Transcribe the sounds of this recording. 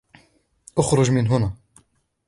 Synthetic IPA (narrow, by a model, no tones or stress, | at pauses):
ʔʊxɾˤʊʒmɪnɦʊna